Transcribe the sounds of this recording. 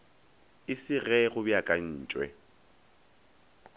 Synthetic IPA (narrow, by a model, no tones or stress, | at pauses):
ɪsɪɣɛɣʊbiakʼan̩ːt͡ʃʼwɛ̰